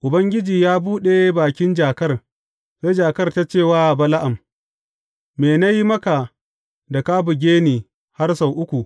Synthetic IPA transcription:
ʔʊ˨bɐ˦ŋɡʲɪ˦d͡ʒiː˨jaː˦buː˦ɗe˨baː˨kʲɪ˦nd͡ʒaː˨kɐ˦r | se˦jd͡ʒaː˨kɐ˦rta˦t͡ʃeː˦˨waː˦˨bɐ˦la˦ʔa˨m | meː˨na˦ji˦mɐ˦ka˨ | da˨kaː˦bʊ˨ɡʲeː˦niː˨ | ha˦rsa˨wʔʊ˦kʷu˨

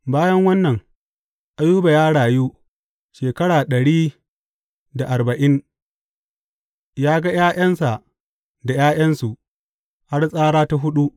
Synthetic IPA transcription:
baː˦jɐ˦ŋwɐ˦nːɐ˨ŋ | ʔa˦juː˦ba˨jaː˦ɽaː˨juː˦ | ʃeː˨kɐ˦ɽaː˨ɗɐ˨ɽiː˦ | da˨ʔa˨rbɐ˨ʔɪ˦n | jaː˦ɡa˦jaː˦j̰ɐ˦nsa˨ʔ | da˨jaː˦j̰ɐ˦nsu˨ʔ | ha˦rsʼaː˦ɾaː˦ta˦ɦʊ˦ɗu˦ʔ

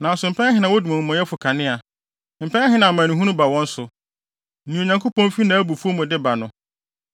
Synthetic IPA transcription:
nã˨n˦sʊ˨m̩˨pʰɛ̃˦ɦɪ˨nã˨wʊ˦du˨mã˨mɔ̃˨jɛ˦fʊ˨kʰa˨nɪ̃˦a˨ | m̩˨pʰɛ̃˦ɦɪ̃˨nã˨mã˨nũ˨ɦũ˦nũ˦ba˨wɔ̃˦n̩˦sʊ˨˦ | nĩ˨o˨ɲã˨ŋkʰo˦pɔ̃˦m˦fi˦nã˨˦æ˦bu˨fu˦o˦mʊ̃˨dɪ˦ba˨nʊ̃˦

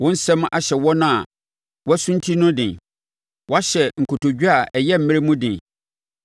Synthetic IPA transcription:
wʊ̃˦n̩˦sɛ̃˦m˦ʔa˨ɕɛ˨wɔ˦nã˦a˨ | wɔ˦æ˦sʊ̃˦n˦tʰi˦nʊ̃˦dɪ̃˨ | wɔ˦a˦ɕɛ˨ŋ̩˨kʰʊ˨tʰo˨d͡ʑᶣu˦a˨ʔɛ˨jɛ˦m̩˨˦mɪ̃˦ɾe˦mũ˦dɪ̃˨n

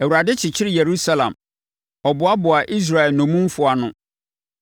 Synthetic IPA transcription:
æ˨wu˨ɾa˨dɪ˦t͡ɕʰɪ˨t͡ɕʰɪ˦ɾɪ˦˨je˨ɾu˦sa˦lã̰˨m | ɔ˨bʊ˨˦a˦bʊ˨a˨ʔi˦s̬ɾa˨ɛ˨lnɔ̃˨mũ˦mfʊ˨a˨nʊ̃˦

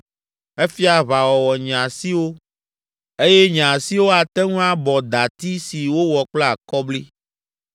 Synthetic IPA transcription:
e˦fi˦a˨βa˨wɔ˨wɔ˨ɲ̃˨ã˨si˦wo˦ | e˦je˦ɲ̃˨a˨si˦wo˦a˨t̪ɛ˦ŋũ˦a˦bɔ˨d̪a˨t̪i˦si˨wo˦wɔ˨k͡plɛ˦a˨kɔ˦bli˦

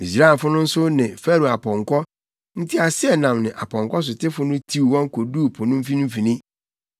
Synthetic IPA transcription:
mi˨s̬ɾa˦˨fʊ˦nʊ̃˦n̩˦sʊ˦nɪ̃˨fɛ˦ɾo˨a˨pʰɔ̃˨ŋkʰɔ˦ | n̩˦tʰi˦a˨sɪ˦ɛ˦˨nã˨mnɪ̃˨ʔa̰˨pʰɔ̃˨ŋkɔ˦s̬ʊ˨tʰɪ˦fʊ˦nʊ̃˦tʰi˦wwɔ̃˦ŋkʰo˨duː˦˨pʰɔ˨nʊ̃˦m̩˦fĩ˦nʊ̃˦m̩˦fi˨nĩ˦

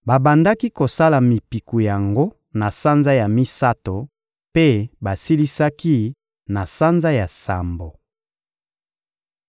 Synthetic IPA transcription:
ba˨ba˨nda˦ki˦ko˨sa˦la˨mi˨pi˨ku˨ja˨ŋɡo˦ | na˨sa˦nza˦ja˨mi˦sa˦to˨ | pe˦ba˨si˦li˦sa˦ki˦ | na˨sa˦nza˦ja˨sa̰˨mbo˨

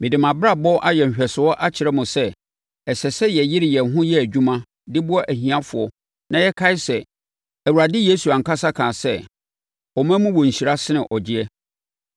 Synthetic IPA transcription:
mɪ̃˨dɪ˨mã˨bɾa˦bɔ˦ʔa˦jɛ˨m̩˨ɕᶣɛ˨sɪ˨wɔ˦ʔa˦t͡ɕʰɪ˨ɾɛ˦mʊ̃˨sɛ˦ | ɛ˨sɛ˨sɛ˦jɛ˨jɪ˦ɾɪ˨jɛ˨˦ɦʊ̃˦jɛ˦æ˨d͡ʑᶣu˦mã˦ | dɪ˦bʊ˦ɔ˦ʔæ˨ɦĩ˨ã˦fʊ˨ɔ˨ | nã˨jɛ˦kʰa˦ɪ˦sɛ˨ | æ˨wu˨ɾa˨dɪ˦je˦su˨ã˨ŋ̩˨ka˦sa˦kʰãː˨sɛ˦ | ɔ˨mæ̃˦mʊ̃˦wɔ˨ɲ̩˨ɕi˨ɾa˦sɪ˦ɪ̃˨ʔɔ˨d͡ʑɪ˦ɛ˦

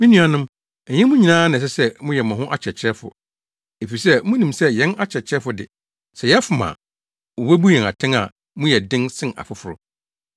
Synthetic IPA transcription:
mĩ˦nĩ˦a˨nʊ̃˦m | ɛ˨ɲɛ̃˦mʊ̃˦ɲĩ˨nãː˦nɪ̃˨s̬ɛ˦sɛ˦mʊ̃˦jɛ˨mã˨ɦʊ̃˦ʔa˦t͡ɕʰɛ˨t͡ɕʰɾɛ˦fʊ̰˨ | e˨fi˨sɛ˦mũ˦nĩ˨msɛ˦jɛ̃˦na˦t͡ɕʰɛ˨t͡ɕʰɾɛ˦fʊ˨dɪ̰˨ | sɛ˨jɛ˦fʊ˨mã̰˨ | wo˨we˦bu˦jɛ̃˨a̰˨tʰɪ̃˦ŋa̰˨ | mʊ̃˦jɛ˨dɪ̃˦nsɪ̃˦na̰˨fʊ˦fʊ˨ɾʊ̰˨

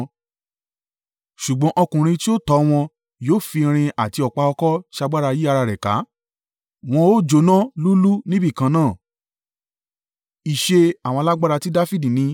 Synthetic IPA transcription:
ʃu˨ɡ͡bɔ̃˨˦ʔɔ˧kũ˨ɾ̃ĩ˧ti˦o˦˨tɔ˨˧˦w̃ɔ̃˧ | joː˦˨fi˧ɾ̃ĩ˧a˨ti˧ɔ˨k͡pa˧ɔ˧kɔ˦ʃa˧ɡ͡ba˦ɾa˧ji˦a˧ɾa˧ɾɛ˨ka̰˨˦ | w̃ɔ̃˧o˦d͡ʒo˧˦nã˦lu˦lu˦nĩ˦bi˦˨kã˧nãː˦˨ | i˨ʃe˧a˨w̃ɔ̃˧la˦ɡ͡ba˦ɾa˧ti˦da˦fi˦˨di˨nĩ˨˦

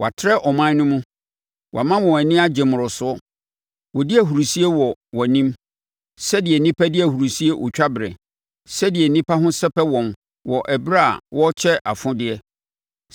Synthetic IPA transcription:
wa̰˨tʰɪ˦ɾɛ˦ʔɔ˨mã˦nʊ̃˦mʊ̃˦ | wʔmã˦wɔ̃˨wæ˨nɪ̃˦a˦d͡ʑɛ˨mʊ̃˨ɾɔ˨sʊ˦ɔ˦ | wɔ˨dɪ˦æ˨ɦu˨ɾu˨si˦e˦wɔ˨wɔ˨nĩ˦m | sɛ˦dɪ˨ɛ˨nĩ˦pʰa˦dɪ˦æ˨hu˨ɾu˨si˦e˦ʔɔ̰˨t͡ɕᶣa˦bɾɛ̰˨ | sɛ˦dɪ˨ɛ˨nĩ˦pʰa˦ɦʊ̃˦sɛ˦pɛ˦wɔ̃˨m | wɔ˨ʔɛ˨bɾa̰˦˨wɔ˦t͡ɕʰɛ˦ʔa̰˨fʊ̃˦dɪ˦ɛ˦

